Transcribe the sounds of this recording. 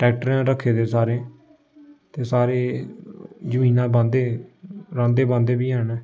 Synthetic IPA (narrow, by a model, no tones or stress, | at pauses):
ʈɛːk̚ʈɾãːɾəkʰːeːd̪eːsaːɾẽː | t̪eːsaːɾeː | d͡ʒəmĩːnãːbãːnd̪eːɾãːnd̪eːbãːnd̪eːbiːɦənɛː